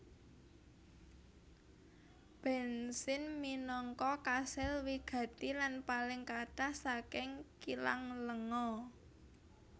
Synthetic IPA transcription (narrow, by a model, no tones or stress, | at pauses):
b̥ɛ̤nsɪnminɔŋkɔkasɪlwiɡ̥ä̤t̪ilanpalɪŋkaʈahsakɪŋkila̰ŋləŋɔ